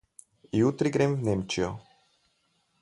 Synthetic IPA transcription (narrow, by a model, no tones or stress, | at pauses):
jut̪ɾiɡɾemwnemt͡ʃijɔ